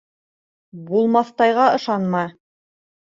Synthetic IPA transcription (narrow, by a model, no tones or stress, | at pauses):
bulˠmɑθt̪ɑjʁɑɤ̆ʃɑnmɑ